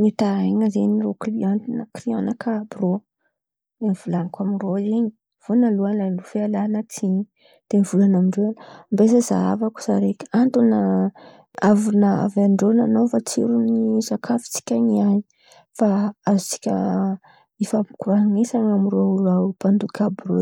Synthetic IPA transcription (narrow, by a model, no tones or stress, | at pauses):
mit̪aeɲazenirokliant̪inakrionakʰabro | d̪enivulanikaminroeɲi̥ | v̥onaluanlalufealanət͡siɲi | d̪̥enivulanamiɳɖ͡ʐeanmbesəza̰a̰vaku̥z̥a̰ɾekʲant̪unə | avunaa̰vaɳɖ͡ʐonanofat͡siɾunizakʰafi̥t͡si̥kʲaɲiaɲi | faazu̥t͡si̥kʲə̰ | efamkuɾaɦŋesaŋamiroɾapand̪ukʲabro